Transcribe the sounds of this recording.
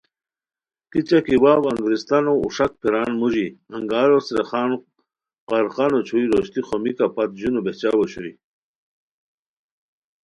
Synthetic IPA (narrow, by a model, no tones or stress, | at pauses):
kit͡ɕakiwaːwɐŋɡɾist̪anoṵʂak̚pʰiɾaːnmuʑiɐŋɡaːɾosɾeχaːn | qaɾχanot͡ɕʰuiɾoɕt̪ixomikapat̪ʑunubet͡ɕawoɕuɾḭ